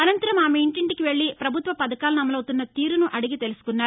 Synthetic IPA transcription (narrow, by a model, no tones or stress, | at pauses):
ɐnɐnt̪ɐɾɐmaːmeiɳʈiɳʈikiʋe̞ɭːipɾɐbʱut̪ʋɐpɐd̪ɐkaːlunɐmːɐlɐwt̪unːɐt̪iːɾunuʔɐɽiɡit̪e̞lusu̥kunːaː